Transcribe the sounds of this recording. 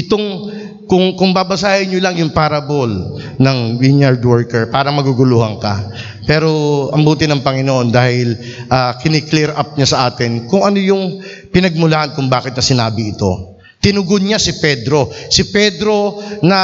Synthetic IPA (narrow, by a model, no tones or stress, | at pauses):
ʔɪt̪o̞ŋ | kʊŋkʊŋbabɐsaːhɪɲːʊlɐŋjʊŋpaːɾɐbol | nɐŋwiɲɐɹd̪wɛɹkɛɹpaːɾɐŋmɐɡuɡʊluːhɐŋkɐ̰ | pɛːɾo̞ʔɐmbuːt̪ɪnɐŋpɐŋɪnoʔo̞nd̪aːhɪl | ʔaːkɪnɪklɛɾʔap̚ɲasɐʔaːt̪ɪnkʊŋɐnojʊŋ | pɪnɐɡ̚mʊlahɐnkʊŋbaːkɪt̪nɐsɪnaːbɪɪt̪o̞̰ | t̪ɪnʊɡod̪ɲasɪpɛd̪ɾo̞sɪpɛd̪ɾo̞nɐ